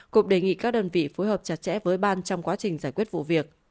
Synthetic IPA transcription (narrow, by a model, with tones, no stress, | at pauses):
kʊ̰˧˥ŋ͡mɗe˨˩ŋḭ˧˨kaː˦˥k̚ɗəː˧nvḭ˧˨fo˨˦jɦəː˨˩p̚t͡ɕa˨˩t̚t͡ɕɛ̰˧˥vəː˨˦jɓaː˧nt͡ɕɔ˧wŋ͡mkwaː˨˦t͡ɕï˨˩ŋ̟zaː˧˩jkwət̚vṵ˧˨vi˨˩ək̚